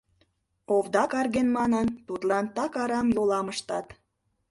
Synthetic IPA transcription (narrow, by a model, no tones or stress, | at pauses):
oβd̪ɑkɑrɣenmɑnənt̪ut̪lɑnt̪ɑkɑɾɑmjolɑməʃt̪ɑt̪